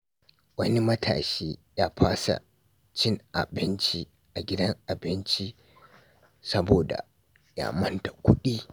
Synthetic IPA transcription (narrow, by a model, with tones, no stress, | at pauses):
wɐ˦ni˦mɐ˦tʰa̰ː˨ʃeː˦jaː˦ɸʰaː˦sa̰˨ | t͡ʃɪ˦ŋʔa̰˨bɪ˦nt͡ʃi˦ | ʔa˨ɡʲɪ˦dɐ˦ŋʔa˨bɪ˦nt͡ʃi˦ | sɐ˦boː˨da̰˨ | ja̰ː˨˦mɐ˦nta˨kʷʰʊ˦ɗiː˦